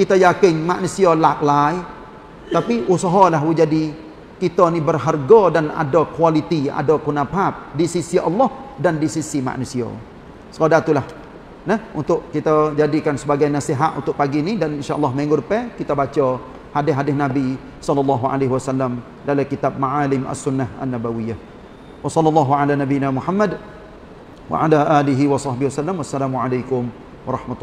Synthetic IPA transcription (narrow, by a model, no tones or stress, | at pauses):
kit̪ajakɪnmaʔnusialak̚laj | t̪apiʔusəɦɔlaɦwud͡ʒadi | kit̪ənibərɦarɡɔdana̰dɔkualit̪ia̰dɔkunapɦap̚disisiʔɑlːɔhdandisisima̰ʔnusiɔ̰ | səkodat̪ulah | nəhunt̪ʊʔkit̪ad͡ʒadikansəbaɡajnasiɦat̪ṵnt̪ʊʔpaɡinidaninʃaʔɑ̰lːɑhmeŋɡʊdəpɛkit̪abat͡ʃə | hadɪɦadɪhnabi | sɑlːɑlːɑɦuʕa̰leɦiwasalːam | dalakit̪ab̚maʕalɪmʔa̰sunːaha̰nːabawijah | wɑsɑlːɔlːɑɦuʕalanabinamuħamːad | wa̰ʕalaʔaliɦiwasɑhbɪhwasalːamwasːalamuʕalajkʊm | wɑɾˤɑhmat̪ː